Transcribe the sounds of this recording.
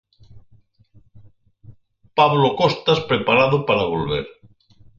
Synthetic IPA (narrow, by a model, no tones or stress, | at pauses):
paβlokɔst̪aspɾepaɾaðopaɾaβolβḛɾ